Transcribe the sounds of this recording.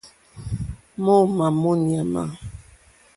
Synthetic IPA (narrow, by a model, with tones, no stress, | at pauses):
mo˦ma˨mo˦ni˨a˨ma̰˨